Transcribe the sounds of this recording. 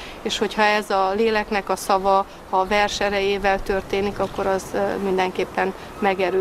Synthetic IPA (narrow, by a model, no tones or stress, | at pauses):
eːʃho̞chɒɛzɒleːlɛknɛkɒsɒvɒ | ɒvɛrʃɛɾɛjeːvɛlt̪ø̞rt̪eːnikɒkːo̞ɾɒzmind̪ɛŋkeːpːɛn | mɛɡɛɾøː